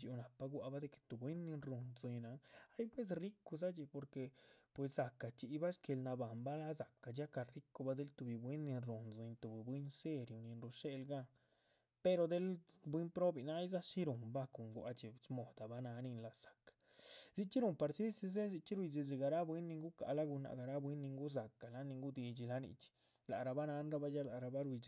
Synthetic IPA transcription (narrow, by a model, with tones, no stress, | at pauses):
d͡ʒi˧˨˧na˨pa˧ɡwa˧ba˦d̪e˧ke̥˨t̪u˨bwe˦nːi˧nɾu˨nzi˧ɲna˨a˦jpwe˦s̬ri˦ku˧za˦t͡ʃi˧po˨ɾke˨pwe˨sːa˨ka˨t͡ʃi˧˨ba˦ʃke˨˧lna˧ba˨mba˦la˦za˨kːa˨d͡ʒa˦ka˨ri˦ko˧ba˦d̪e˦lt̪u˧bi˨bwe˦nːi˧nɾu˨nzi˧ɲt̪u˨bi˨bwi˦nse˦ɾju˨ni˧nɾu˧ʂe˧lɡa˧ | pe˧ɾo˧d̪e˦lbwi˦npɾo˦bi˨na˦jza˦ʃi˦ɾu˨mba˦ko˨ŋɡʷa̰˧t͡ʃi˨smo˨d̪̥a˨ba˦na˧˦ni˧nla˧sḁ˨kḁ | zi˦t͡ʃi˦ɾu˨mpa˧ɾsi˦si˧ze˦zi˧t͡ʃi˦ɾwi˧d͡ʒi˧zi˧ɡa˨˧ɾa˦bwi˦nːi˧ŋɡu˦ka̰˨la˦ɡu˧na̰˨˧ɡa˨ɾa˦bwi˦nːi˧ŋɡu˦za˨ka˨la˦ni˧ŋɡu˦d̪i˧d͡ʒi˧la˧nḭ˧˨t͡ʃi̥ | la̰˨ɾa˧ba˦na˧˦nɾa˧ba˦ja˦la˨ɾa˧ba˦ɾwi˧d͡ʒ